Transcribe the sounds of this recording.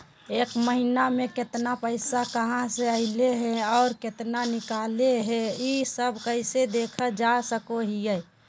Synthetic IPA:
eːkməɦinamẽkɪt̪napəɪsakəɦãseəɪleɦɛ̃ɔːɾkɪt̪nanɪkaːleɦɛ̃isəbkəɪsed̪eːkʰəd͡ʒasəkoɦijɛ

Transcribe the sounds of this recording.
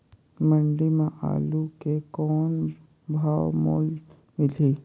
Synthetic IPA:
mə̃ɳɖimãʔa̰ːlukekɔːn | bʱaːwmo̰ːl | mɪliː

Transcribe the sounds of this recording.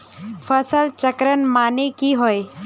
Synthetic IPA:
fʰəsəlt͡ʃəkɾənmaːnekiɦoe

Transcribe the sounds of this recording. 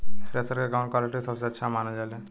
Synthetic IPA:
pɾeːsəɾkekaʊ̃ɳʈkwaːlɪʈisəbseɐtːʃʰamaːnad͡ʒaːle

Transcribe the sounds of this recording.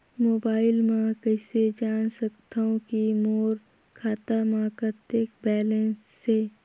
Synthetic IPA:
moːbaːɪlmãkəɪsed͡ʒaːnsɐkt̪aõkimoːɾ | kʰaːt̪amãkət̪ekbɛːlɛ̃nsːe

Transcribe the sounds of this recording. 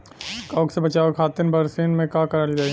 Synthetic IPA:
kaːksebɐt͡ʃaːʋekʰaːt̪ɪnbɐɾseːnmẽkãkɐɾəld͡ʒaːi

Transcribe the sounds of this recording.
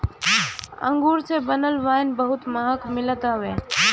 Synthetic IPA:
ə̰̃ŋɡuːɾsebənəlʋaːnbəɦʊt̪məɦəkmɪlət̪əɦʋe

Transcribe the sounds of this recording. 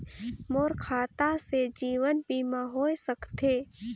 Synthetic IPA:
moːɾkʰaːt̪ased͡ʒiːʋənbiːmãɦoːjsəkt̪eː

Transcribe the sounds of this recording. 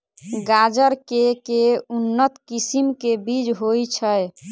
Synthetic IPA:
ɡad͡ʒəɾkekeunːət̪kisimkebid͡ʒɦojt͡ʃʰəj

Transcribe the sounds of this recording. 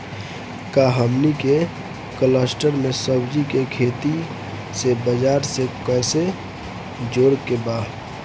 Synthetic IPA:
kaɦəmnike | kələsʈəɾmesəbd͡ʒikekʰeːt̪i | sebəd͡ʒaːɾsekəse | d͡ʒoɾkeba

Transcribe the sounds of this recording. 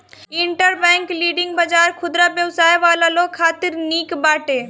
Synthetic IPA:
ɪɳʈəɾbɛ̃ŋkliːɖɪ̃ŋɡ̚bad͡ʒaːɾkʰʊd̪ɾabjəwsaːjʋaːlaloːɡ̚kʰːaːt̪ɪɾniːkbaːʈeː

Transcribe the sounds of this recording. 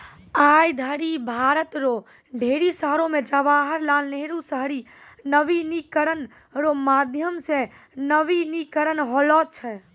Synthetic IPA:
aːjd̪ʱəɾibʱaːɾət̪ɾo | ɖʱeːɾisaːɾõmẽd͡ʒəʋaːɦəɾlaːlneɦɾusəɦɾi | nəʋinikəɾən | ɾomaːd̪ʱjəmse | nəʋinikəɾənɦɔːlɔːt̪̚t͡ʃʰɛ

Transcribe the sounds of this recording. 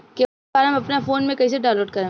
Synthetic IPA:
ke | aːɾɦɐmɐpnafoːnmẽkɐis̬eɖãːloːʈ̚kɐɾẽː

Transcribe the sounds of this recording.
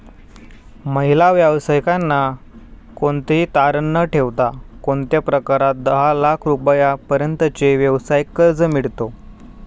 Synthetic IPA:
məɦilaʋjaʋsəjkanːa | koɳt̪it̪aɾənːəʈʰeʋt̪akoɳt̪japɾəkaɾat̪̚d̪əɦalakʰɾupəjapəɾjənt̪ət͡ɕeʋjəʋsajikːəɾd͡zəmiɽt̪o

